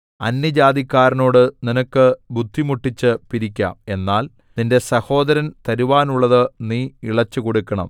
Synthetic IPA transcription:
ɐ̰nːjɐd͡ʑaːd̪ikːaːɾɐno̞ːɽɨninɐkːɨbʱud̪ʱːimuʈːit͡ɕːɨpiɾikʲːa̰ːme̞nːaːl | ninde̞sɐho̞ːd̪ɐɾɐnt̪ɐɾuʋaːnuɭːɐðɨniːiɭɐt͡ɕːɨkoɽukːɐɳɐ̰m

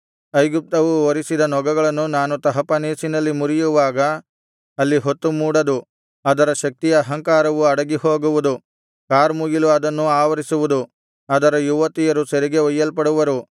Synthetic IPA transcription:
ɐjɡup̚t̪ɐʋuoɾisid̪ɐnɔɡɐɡɐɭɐnːunaːnut̪ɐɦɐpɐneːsinɐlːimuɾijuʋaːɡɐː | lːiɦot̪ːumuːɽɐd̪u | ɐd̪ɐɾɐʃɐk̚t̪ijɐːɦɐŋkaːɾɐʋuɐɽɐɡiho̞ːɡuʋud̪u | kaːɾmuɡiluɐd̪ɐnːuaːʋɐɾisuʋud̪u | ɐd̪ɐɾɐjuʋɐt̪ijɐɾuseɾiɡe̞ʋɐjːɐlpɐɽuʋɐɾu

